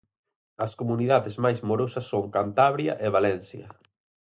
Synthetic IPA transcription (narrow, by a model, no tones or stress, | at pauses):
ɐskomuniðaðɪzmajzmoɾosɐsːoŋkant̪aβɾjɐ̰ʔeβalɛnsjɐ̰